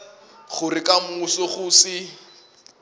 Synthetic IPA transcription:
χʊrɪkʼamusɔχʊsɪ

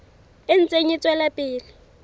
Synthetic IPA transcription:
ɪn̩t͡sʼeɲit͡sʼwɛlapʼɪːlɪ

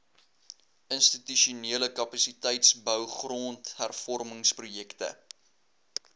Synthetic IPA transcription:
ənstityʃuniələkɐpɐsitɛjtsbœwχroːnthærfɔrməŋsprujɛktə̰

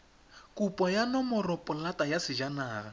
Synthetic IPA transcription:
kʼupʼɔjanɔmʊrɔpʼʊlatʼajasɪd͡ʒanaːɣa

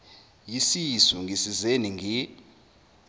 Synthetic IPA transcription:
jisisuŋɡʱisizeniŋʱi

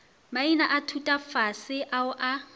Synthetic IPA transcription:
mainaʔatʰutʼafasɪʔaʊʔa

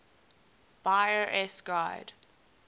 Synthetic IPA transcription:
b̥aɪəʔɛsɡ̥aɪd̥

